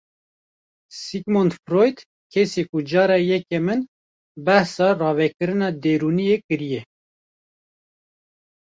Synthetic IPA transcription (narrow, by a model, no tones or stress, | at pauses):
siɡmont̪fɾojd̪ | kʰɛsekud͡ʒɑːɾɑjɛkɛmɨn | bæhsɑːrɑːvɛkɨɾɨnɑːd̪eːɾuːnijekɨɾijɛ